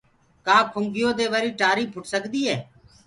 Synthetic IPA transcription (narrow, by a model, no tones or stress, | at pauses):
kãːkʰʊŋɡɪjoːd̪eːʋəɾiːʈaːɾiːpʰʊʈsəkd̪iːɦeː